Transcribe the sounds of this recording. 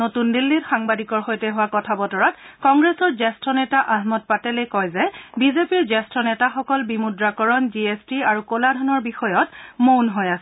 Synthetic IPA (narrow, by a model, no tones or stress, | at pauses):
notundilːitxaŋbadikɔɹxojtɛɦʊwakɔtʰabɔtɔɹatkɔŋɡɹɛsɔɹzɛstɹɔnɛtaʔaɦmɔt̚patɛlejkɔjzɛbizepiɹzɛstɹɔnɛtaxɔkɔlbimudɹakɔɹɔnd͡ʒiestiaɹukoladʱɔnɔɹbixɔjɔtmonɦojasɛ